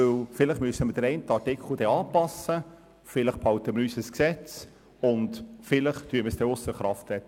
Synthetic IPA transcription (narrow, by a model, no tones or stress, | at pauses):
ɵwfɪləχmyəsəməd̥əɾɛɪntəɑɾtɪkχl̩ˠd̥̪ɛːɑːpɑsə | fɪlɪχphɑwtəməɾyːsəsksɛt͡s | ʊndfɪlɪχt̪yːəməsd̥̪ɛːʊsəχɾɑftɛt